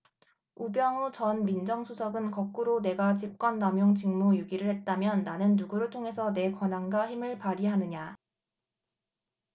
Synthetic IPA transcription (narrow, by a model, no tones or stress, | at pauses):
ubjʌŋut͡ɕʌnmind͡ʑʌŋsʰusʰʌɡɯnkʌk̚k͈uɾone̞ɡat͡ɕip̚k͈wʌnːamjoŋd͡ʑiŋmujuɡiɾɯɭhe̞t̚t͈amjʌnːanɯnːuɡuɾɯɭtʰoŋɦe̞sʰʌne̞kwʌnaŋɡaçimɯɭpaɾiɦanɯɲa